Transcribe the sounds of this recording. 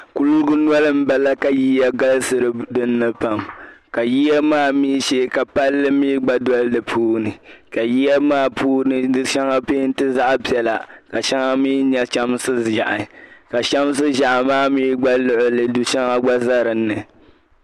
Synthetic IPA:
ku˦lɡʊ˦nwɔ˦lɨ˦m̩˦ba˨la˦ka˨ji˦ja˦ɡa˦lsɨ˨ɾɨ˨dɨ˦nːɨ˦pa˨mka˨ji˦ja˦maː˦˨miː˦ʃeː˦ka˨pa˦lːɨ˦miː˦ɡ͡ba˦dɔ˦llɨ˨pʰuː˦nɨ˨ka˨ji˦ja˦maː˦˨pʰuː˦nɨ˨dɨ˦ʃɛ˦ŋa˦peː˦n˦tɨ˦za˦ʔa˦pi˨ɛ˨la˨ka˨ʃa˦ŋa˦miː˦ɲɛ˦t͡ʃa˦m˦sɨ˦ʒa̰˨ʔɪ˨ka˨t͡ʃa˦m˦s̬ɨ˦ʒa˨ʔa˨maː˦miː˦ɡ͡ba˦lʊ˦ʔʊ˦lɨ˨du˨ʃa˦ŋa˦ɡ͡ba˦za˦ɾɨ˨nːɨ˨

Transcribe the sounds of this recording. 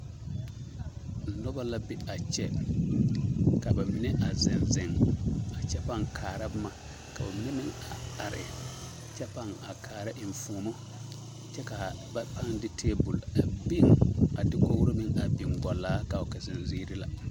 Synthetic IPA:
nɔ˦ba˦la˦bɪ˦a˨t͡ʃɛ˦ | ka˨ba˨mɪ˦nɛ˦ʔa˨zɪ˨nzɪ˨ŋa˨t͡ʃɛ˦pa˦ŋkʰaː˨ɾa˦bma˨ | ka˨ʊ˨m˦nɛ˦mɪ˦ŋa˨a˨ɾɪ̰˨ | t͡ʃɛ˦pa˦ŋa˨kʰaː˨ɾa˦ʔɪ˨ɱ˨fu˨mo˦ | t͡ʃɛ˦ka˨ba˦pa˦ŋdɪ˦tʰeː˦bʊ˨la˨bi˦ŋa˨dɪ˦ko˦wu˦ɾo˦mɪ˦ŋa˨bi˨ŋɡɔ˨laː˦ka˨ʊ˨kɛ˨zɪ˨nzi˦ɾɪ˦la̰˨

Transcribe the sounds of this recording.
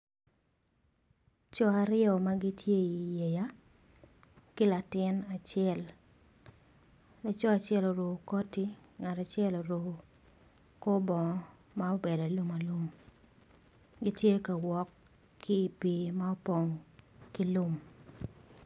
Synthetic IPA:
t͡ʃɔ˦a˨ɾɪɔ˨ma˦ɡi˦tʰje˦i˨je˨ja˦ | ki˦la˨tɪ˦na˨t͡ʃjɛ˦˨l | la˨t͡ʃɔ˦a˨t͡ʃɛ˦lo˨ɾo˨kɔ˦ti˦ŋa˨ta˨t͡ʃɛ˦lo˨ɾo˨ | ko˦bɔ˨ŋɔ˦ | ma˦o˦be˨da˨lu˦ma˨lu˦m | ɡi˦tje˦ka˨wɔ˨kʰː | iː˦˨pi˨ma˦o˦po˨ŋki˦lu˦m

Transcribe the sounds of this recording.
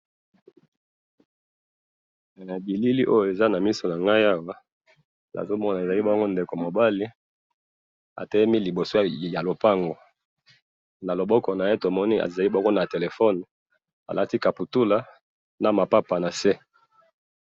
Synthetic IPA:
bi˨li˦li˦ʔo˦jo˨e˨za˦na˨mi˦so˨na˨ŋɡa˦ja˦wa˦ | na̰˨zo˦mɔ˦na˨e˨za˨li˦bɔ˦ŋɡo˦nde˨ko˨mo˨ba˦li˦ | a̰˨tɛ˦je˦mi˦li˨bo˨so˦˨ja˨lo˨pa˦ŋɡo˨ | na˨lo˨bɔ˦kɔ˨na˨je˦to˨mɔ˦ni˦ʔa̰˨za˨li˦bɔ˦ŋɡo˦na˨te˨le˨fɔ˦n˨ | a̰˨lʔa˦ti˦ka˨pu˨tu˦la˦ | na˨ma˨pa˦pa˨na˨se˦

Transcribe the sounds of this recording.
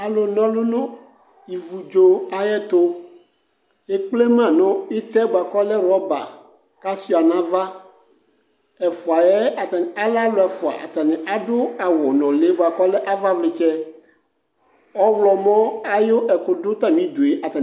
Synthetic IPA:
a˨lo˨nɔ̃˦lʊ˦nʊ̃˦ | i˨vu˨d͡ʒo˦a˨jɛ˦t̪o˦ | e˦k͡ple˦mã˦˨nʊ̃˦e˦t̪ɛ˦ba˨kɔ˦lɛ˦ɾɔ˦ba̰˨ | ka˦si˦˨a˨nã˦va˦ | ɛ˨fʊ˨a˨jɛ˦a˨t̪a˨n˨a˦la˦lʊ˨˦ɛ˨fʊ˨a̰˨ʔa̰˨t̪a˨nɪ˨ʔa˨dʊ˦a˨wɔ˨nɔ̃˨le˦ba˨kɔ˦lɛ˦ʔa˦va˦vlɪ˨t͡ʃɛ˦ | ɔ˦wlɔ˨mɔ̃˦a˦jo˦ʔɛ˨kʊ˨dʊ˦t̪a˦mĩ˦d̪o˨e˨˦ʔa˨t̪a˨

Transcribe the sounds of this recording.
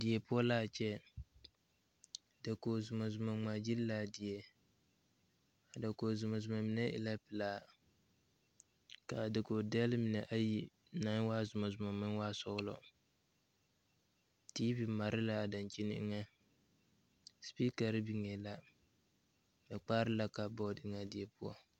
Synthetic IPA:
dɪ˨ɛ˨pʊ˦ɔ˦laː˦˨t͡ʃɛ˦˨ | da˨ko˨zʊ˨ma˨zʊ˨ma˨ŋ͡ma˨d͡ʒi˦llaː˦dɪ˨ɛ˨ | a˨da˨koː˨zʊ˨ma˨zʊ˨ma˨mi˨nɛ˦ʔɪ̰˨la˦pɨ˨laː˦ | ka˨da˨ko˨da˦lmi˨nɛ˨ʔa˦ji˦ | na˨˦ŋ˦waː˦zʊ˨ma˨zʊ˨ma˨mɨ˦n˦waː˦sɔ˦ɣlɔ̰˨ | tiː˦bi˨ma˨ɾɪ˦la˦a˨da˨nt͡ʃi˦nɪ̰˦ŋa˦ | spi˦ka˨ɾɨ˦bi˨ŋɛ˨la˦ | nɨ˨k͡paː˦ɾɨ˦la˦˨ka˨bɔ˦dɪ˦˨˦ŋa˨dɪ˨ɛ˦pu˦ɔ̰˦

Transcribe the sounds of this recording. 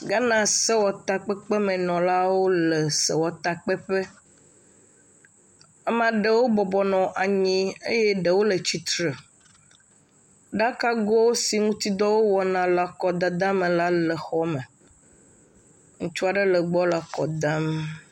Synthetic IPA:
ɡa˦nã˦sɛ˦wɔ˨t̪a˨k͡pɛ˦k͡pe˦mẽ˨nɔ̃˨la˦wo˦le˨sɛ˨wɔ˨t̪a˨k͡pɛ˦ɸe˦ | a˦mã˨ɖe˨wo˦bɔ˨bɔ˨nɔ̃˨ʔa˨ɲĩ˦ḛ˦je˦ɖe˨wo˦lə˨t͡ɕi˨t̪ɾə˨ | ɖa˦ka˦ɡɔ˦wo˦si˨ŋũ˦t̪i˦d̪ɔ˦wo˦wɔ˨nã˨la˨kɔ˨d̪a˨d̪ã˦me˨la˦lə˨xɔ˦me˨ | ŋũ˦t͡ʃu˦a˨ɖə˦lə˨ɡ͡bɔ˦la˨kɔ˨d̪ã˦m

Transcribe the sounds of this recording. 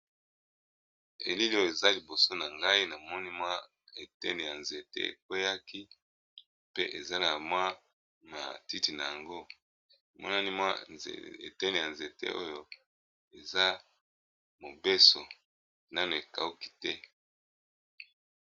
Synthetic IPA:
ḛ˨li˦li˦o˦jo˨e˨za˦li˨bo˨so˦na˨ŋɡa˦i˦na˨mɔ˦ni˦mwa˦ | e˨tɛ̰˦ne˨ja˨nze˨tḛ˦ḛ˨kwe˦ja˦ki˦ | pe˦ʔe˨za˦na˨mwa˦ | na̰˨ti˦ti˨na˨ja˨ŋɡo˦˨ | mɔ̰˦na˦ni˦mwa̰˦ḛ˨tɛ˦ne˨ja˨nze˨tḛ˦ʔo̰˦jo˦ | e˨za˦ | mo˨be˦so˨ | na˦m˨e˨ka̰˨u˦ki̥˨tɛ˦

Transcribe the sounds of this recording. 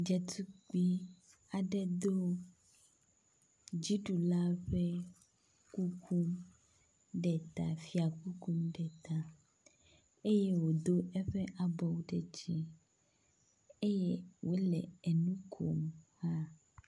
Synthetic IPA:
d͡ʒɛ˨t̪u˦k͡pi˦ | a˨ɖɛ˦d̪o˦ | d͡ʑi˦ɖu˨la˦ɸe˦ | ku˦kũ˦m | ɖɛ˨t̪a̰˨fi˨a˨ku˦kũ˦mɖɛ˨t̪a˨ | e˦je˦wo˨d̪o˦ɛ˦ɸɛ˦ʔa˨bɔ˨wo˦ɖɛ˨t͡ʃi˦ | e˦je˦wo˦lɛ̰˨ɛ˨nũ˦kʰo̰˨mha˦

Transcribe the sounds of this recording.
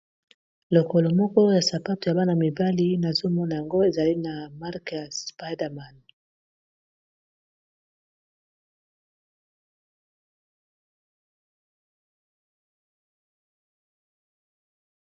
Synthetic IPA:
lo˨ko˨lo˨mɔ˦kɔ˦ja˨sa˨pa˦to˨ja˨ba˦na˨mi˨ba˦li˦na˨zo˦mɔ˦na˨ja˨ŋɡo˦e˨za˨li˦na˨ma˦ʁkja˨spa˦da˨ma˨n

